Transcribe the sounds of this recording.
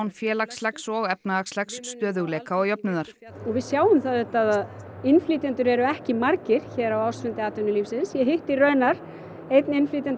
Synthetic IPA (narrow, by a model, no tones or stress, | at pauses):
wnfjɛːlakslɛksɔɣɛpnaakslɛksːt̪œːðʏɣlɛːkaɔɣjɔpnʏðaɾ̥ | ɔɣvɪðsjaːwʏmθaðʏht̪ːaðaðɪnflit̪ɛnt̪ʏɾɛɾʏɛhcɪmaɾcɪɾ̥çɛːɾawawsvʏnt̪ɪaːt̪ʏnʏliːfsɪnsjɛɦɪht̪iɾœːɥnaɾ̥ | ejt̪nɪnfliːt̪ɛnt